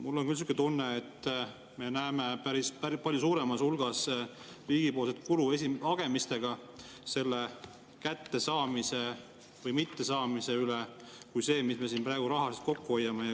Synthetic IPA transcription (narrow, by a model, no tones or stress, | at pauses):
mulːo̞nkyls̬yket̪unːeːt̪ː | me̞næemepæɾispæpɑlʲjusuːɾe̞mɑsulɡ̥ɑs | riːɡ̥ipo̞ːlset̪̚kulue̞siɑɡ̥e̞mist̪e̞ɡ̥ɑ | se̞lːe̞ | kæt̪ːe̞sɑːmise̞ | vɤjmit̪ːe̞sɑːmise̞yle | kujse̞ːmisme̞sinpɾæeɡ̥uɾɑɦɑse̥t̪̚ko̞kːuo̞jːɑmejɑ